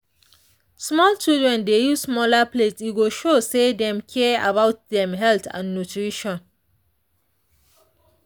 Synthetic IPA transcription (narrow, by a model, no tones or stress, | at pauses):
smɔlt͡ʃildɹɛ̃ndejuzsmɔlaplesiɡoʃosedɛ̃mkʰɛa̰bawt̚dɛ̃mɦɛltã̰nːutʰɹiʃɔ̃n